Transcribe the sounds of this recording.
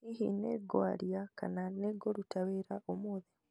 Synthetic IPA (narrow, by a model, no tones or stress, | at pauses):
ihḭneɡwa̰ːlijaka̰naneɡoɾutaβeɾaʔomoːði